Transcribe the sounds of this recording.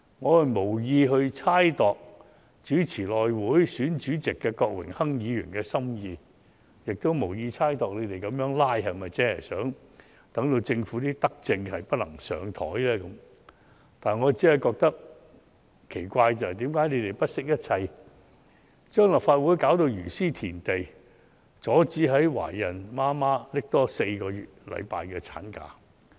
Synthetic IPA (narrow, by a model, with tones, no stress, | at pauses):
ŋɔː˨˧hɐ˨jmo˨˩wjiː˧ɦɵ˧ɥt͡sʰaː˥jt̪ɔː˨k̚ | t͡ʃyː˨˥t͡sʰiː˨˩lɔː˨jwuː˨˥jsyː˨˥nt͡ʃyː˨˥t͡sɪ˨kːɛː˧kɔː˧k̚wɪ̰˨˩ŋhɐ˥ŋjiː˨˧jy̰˨˩nkɛː˧sɐ˥mjiː˧ | jɪ˨k̚t̪o˥wmo˨˩wjiː˧t͡sʰaː˥jt̪ɔː˨k̚ne˨˧t̪e˨jkɐ˨˧mjœː˨˧˥ŋlaː˥jɦɐ˨jmɐ˨jt͡sɛː˨˥ɦɐ̰˨˩jsœ̰ː˨˥ŋ | t̪ɐ˨˥ŋt̪o˧wt͡sɪ˧ŋfuː˨˥t̪iː˥t̪ɐ˥k̚t͡sɪ˧ŋhɐ˨jpɐ˥t̚lɐ˨˩ŋsœ̰ː˨˧ŋt̪ʰɔ̰ː˨˥jlɛː˥kɐ˨˦m | t̪aː˨ŋɔː˨˧t͡siː˨˥hɐ˨jkɔː˧k̚t̪ɐ˥k̚ | kʰe˨˩jkʷaː˧jt͡sɐ˨whɐ˨jt̪iː˨˥mkaː˨˥jne˨˧jt̪e˨˩jpɐ˥t̚sɪ˥k̚jɐ˥t̚t͡sʰɐ˧j | t͡ʃœː˥ŋlɐ˨pfaː˧t̚wuː˨˥jkaː˨˥wt̪o˧wjyː˨˩siː˥t̪ʰiː˨˩nt̪e˨j | t͡sɔː˨˥t͡siː˨˥ɦɐ˨˥jwa̰ː˨˩jɐ˨˩nmaː˥maː˥lɪ˥k̚t̪ɔː˥se˧jkɔː˧jyː˨t̚lɐ̰˨˧jpaː˨jkɛː˧t͡sʰa̰ː˨˥nka̰ː˧